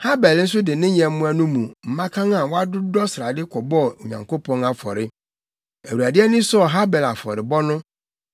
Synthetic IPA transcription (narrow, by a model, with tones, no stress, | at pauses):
ha˦bɛ˨ln̩˦s̬ʊ˦dɪ˨nɪ̃˦ɲɛ̃˨m˦mũ˦æ˦nũ˦mũ˨m̩˨mã˦kʰã˦ŋã˨wa˦dʊ˦dɔ˦sɾa˨dɪ˦kʰɔ˨bɔ˦˨ɲã˨ŋko˦pʰɔ̃˦na˨fɔ̰˨ɾɪ˦ | æ˨wu˨ɾæ˨dɪ˦ɛ˦nĩ˦sʊ˦ɔ˨ɦa˦bɛ˨la˨fɔ̰˨ɾɪ˨bɔ˦nʊ̃˦